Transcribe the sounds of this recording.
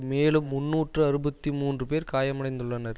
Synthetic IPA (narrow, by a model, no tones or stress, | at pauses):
meːlɯmːʊnːuːʈrɯɐɾɯbɐt̪ːimuːndrɯpeːɾkaːjɐmɐɽɐɪnd̪ɯɭːɐnɐɾ